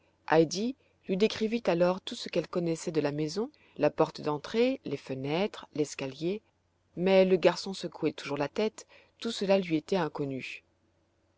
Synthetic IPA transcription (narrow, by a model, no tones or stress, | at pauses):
ʔajd̪i | lɥid̪ekχivit̪alɔʁt̪usəkɛlkɔnɛsɛd̪əlamɛzɔ̃ | lapɔʁt̪əd̪ɑ̃t̪χelefənɛt̪χlɛskalje | mɛləɡaʁsɔ̃səkʰuɛt̪uʒuʁlat̪ɛt̪ː | usəlalɥiet̪ɛɛ̃kɔny